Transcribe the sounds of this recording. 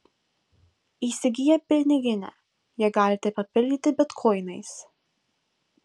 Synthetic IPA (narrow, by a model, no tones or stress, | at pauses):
iːsʲɪɡʲɪjɛpʲɪɾʲnʲɪɡʲɪnʲɛ̰ | jiɛɡɑːlʲɪt̪ʲɛpɐpʲɪlʲd̪ʲɪt̪ʲɪbʲɛt̪kʰɔɪnɐɪs